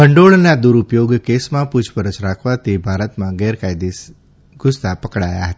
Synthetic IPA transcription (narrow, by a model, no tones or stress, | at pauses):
bəɳɖoɭnad̪uɾupjoɡkesmãpud͡ʒpəɾət͡ʃɾakʰʋat̪ʰibʱaɾət̪mãɡɛɾkajd̪is | ɡʱʊst̪apəkɽaja̰ɦət̪a